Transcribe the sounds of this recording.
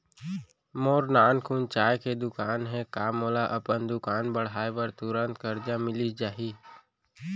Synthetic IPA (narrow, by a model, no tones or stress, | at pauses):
moːɾnaːnkʰuːnt͡ʃaːjked̪ʊkaːnɦɛkaːmoːlaʔɐpənd̪ʊkaːnbəɽ̤aːjbəɾt̪ʊɾə̃nt̪kəɾd͡ʒãmɪlid͡ʒaːɦiː